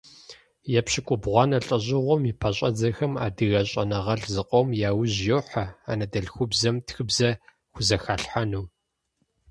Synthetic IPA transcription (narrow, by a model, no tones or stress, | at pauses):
jɛpɕɪkʷʼʊbʁʷɑːnɐɬʼɐʑɪʁʷɔmipʰɐɕʼɐd͡zɐxɐma̰ːdɨɣɐɕʼɐ̰nɐʁɐɬzɨqʷʼɔmjaːwʊʑjoːħɐa̰ːnɐdɐɮxʷʊbzɐmtxɨbzɐ | xʷʊzɐxaːɬħanuː